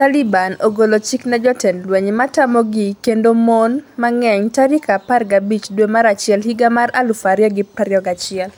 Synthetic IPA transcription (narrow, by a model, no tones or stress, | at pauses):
talibanoɡolot͡ʃiknad͡ʒɔtɛnlwɛɲmatamɔɡikendomonmaŋɛɲtaɾikaparɡabit͡ʃdwemaɾat͡ʃɪɛlhiɡamaralufaɾjɔɡɪpaɾjɔɡat͡ʃɪɛl